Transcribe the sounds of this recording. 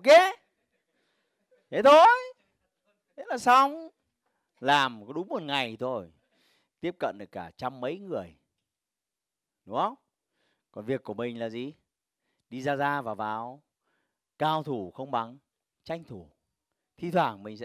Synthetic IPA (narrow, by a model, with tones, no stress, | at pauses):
ke˨˦ | t̪ʰe˨˦t̪ʰo˧j | e˨˦˥laː˨˩sa˧wŋ͡m | laː˨˩m˨˦ɗʊ˨˦ŋ͡mmo˨˩t̚ŋa˨˩jt̪ʰo˧˩j | t̪i˦˥əp̚kə̰˧˨nɗɨ˨˩əkːaː˧˩t͡ɕa˧mːə̰˧˥jŋɨ˨˩əj | ɗʊ˨˦ŋ͡mhə˧wŋ͡m | kɔ˨˩nvi˨˩əkːu˧˩əmï˨˩ŋ̟laː˨˩zi˨˩ | ɗi˧zaː˧zaː˧vaː˨˩wvaː˨˩w | kaː˧˩wt̪ʰu˧˩xə˧wŋ͡mɓa˨˦ŋ | t͡ɕa˧jŋ̟t̪ʰu˧˩ | t̪ʰi˧t̪ʰwaː˧˩ŋmï˨˩ŋ̟sɛ̰˧˥